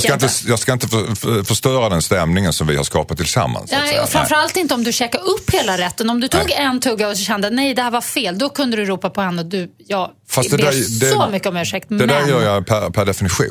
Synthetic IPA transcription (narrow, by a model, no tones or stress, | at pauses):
skaɪnt̪əjɑːskaɪnt̪əffœʂt̪œːɾad̪ɛnst̪ɛmnɪŋənsɔmvɪha̰ɾʂkɑ̰ːpat̪ʰːɪlsa̰mːa̰nsɛɔfɾamfɾalt̪ɪnt̪əɔmd̪ɵɕɛːkaɾɵpːheːlaɾɛt̪ːənɔmd̪ɵt̪ʰːɡɛnt̪ʰɵɡːaɔsɔɕɛnd̪ənɛjd̪ɛhæːɾvaɾfeːld̪ɔkʰɵnd̪əd̪ɵɾuːpapʰɔɛnːɔd̪ɵjɑː | fasd̪ɛd̪æd̪ɛsomʏkːəɔmʉ̟ːʂɛk̚t̪md̪ɛd̪æɾjœːɾjapʰæɾpʰæɖɛfɪnɪɧṵː